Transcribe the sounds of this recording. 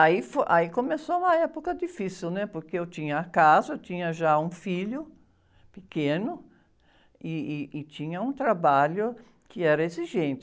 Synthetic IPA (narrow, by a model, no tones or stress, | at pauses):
aifoʔaikomesoũmɐɛpokɐd̪ifisiwnɛpoɾkeewt͡ʃ̪ĩɲɐːkazɐewt͡ʃ̪ĩɲɐʒaũfiʎʊ | pɪkẽnʊ | ɪːt͡ʃĩɲɐũt̪ɾabaʎʊ | kɪɛɾɐeziʒẽnt͡ʃ̪ɪ